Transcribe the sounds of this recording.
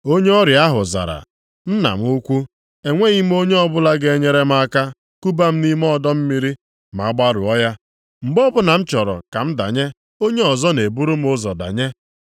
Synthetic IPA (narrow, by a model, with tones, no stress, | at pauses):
o˦ɲe˦ɔ˦ɾja˦ɦʊ˨za̰˨ɾa̰˨ | n̩˦na̰˨m̩˦u˦kʷu˦ | e˨ŋʷe˦ɣi˦m˦o˦ɲe˦ɔ˦bʊ˦la˦ɡe˨e˦ɲe˦ɾe˦m̩˦a˦ka˦ | ku˦ba˦m̩˦ni˦m˦ɔ˦˨dɔ˦m̩˦mi˦ɾi˦ | ma˨a˦ɡ͡ba˦ɾʊ̰˨ɔ˦ja˦ | m̩˨ɡ͡bɔ˦bʊ˦na˨m̩˦t͡ʃɔ˨ɾɔ̰˨ka˨m̩˦da̰˨ɲe˦ | o˦ɲe˦ɔ˨zɔ˦ne˨bu˦ɾu˦m̩˦ʊ˦zɔ˨da̰˨ɲe˦